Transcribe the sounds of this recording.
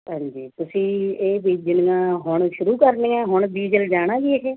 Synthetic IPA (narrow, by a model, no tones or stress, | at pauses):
ɦãːɲd͡ʒiːt̪ʊsĩːeːbiːd͡ʒɪnɡãːɦʊɳʃʊɾuːkəɾnẽːãːɦʊɳb̪iːd͡ʒəld͡ʒaːɽ̃ãːɡiːekeː